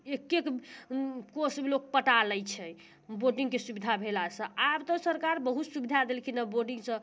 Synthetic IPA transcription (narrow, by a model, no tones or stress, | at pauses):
ekːek | kosmelok̚pəʈaləjt͡ʃʰɛ | boɖiŋɡkesubid̪ʱabʱelasə̃abt̪ə̃səɾkaɾbəɦut̪subid̪ʱad̪elkʰinaboɾɖĩŋɡsə̃